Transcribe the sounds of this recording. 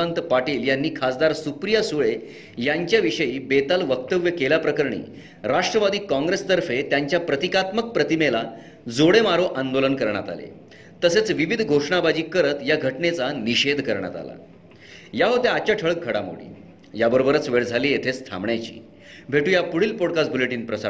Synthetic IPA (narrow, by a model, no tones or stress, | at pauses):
ant̪paʈiːljanːiːkʰasd̪aɾsupɾijasuɭe | jaɲt͡ɕjaʋiʂəiːbet̪alʋək̚t̪əʋjəkelapɾəkəɾɳḭː | ɾaʂʈɾəʋad̪iːkɔ̃ŋɡɾest̪əɾfet̪jaɲt͡ɕjapɾət̪ikat̪mək̚pɾət̪imela | d͡zoɽemaɾoʔand̪olənkəɾɳja̰t̪a̰lḛ | t̪əset͡sʋiʋid̪ʱɡʱoʂɳabad͡ʑiːkəɾət̪jaɡʱəʈnet͡saniɕed̪kəɾɳja̰t̪a̰la̰ | jaɦot̪eat͡ɕjaʈʰəɭək̚ɡʱəɽamo̰ɽḭː | jabəɾobəɾət͡sʋeɭd͡zʱaliːjet̪ʰest̪ʰa̰mɳjat͡ɕḭː | bʱeʈuːjapuɽ̤iːlpoɽkas̚buleʈiːnpɾəsa